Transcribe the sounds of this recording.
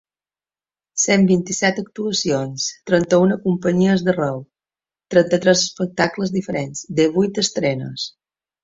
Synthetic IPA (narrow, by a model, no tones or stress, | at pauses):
sembint̪isɛt̪ək̚t̪uəsionst̪ɾənt̪əunəkumpəɲiəzðərɛw | t̪ɾənt̪ət̪ɾɛzəspək̚t̪akləzðifəɾenzd̪eβujt̪əst̪ɾɛnə̰s